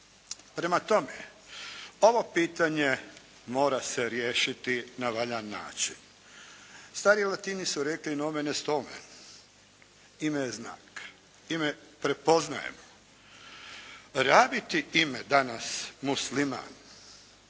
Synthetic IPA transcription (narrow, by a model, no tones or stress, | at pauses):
pɾe̞mat̪o̞me | o̞ʋo̞piːt̪aɲe | mo̞ːɾaseɾjeːʃit̪inaʋaʎanːa̰ːt͡ʃin | st̪aːɾilˠat̪iːnisuɾeklinomenest̪omḛ | imejezna̰ːk | imepɾe̞po̞zna̰jḛmo | ɾaːbit̪iimed̪anasmuslima̰ːn